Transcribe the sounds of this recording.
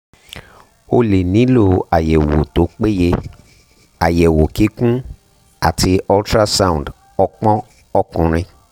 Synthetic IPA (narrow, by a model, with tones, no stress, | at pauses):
o˧le˨nĩ˨˦lo˦˨a˨jɛ˨wo˨to˨˦k͡pe˦je˧ | a˨jɛ˨wo˨ki˨˦kũ˦ | a̰˨ti˧ɔ˦ltɾa˦sa˦˨ũ˨d | ɔ˧˦k͡pɔ̃˦ | ɔ˦kũ˧ɾ̃ĩ˧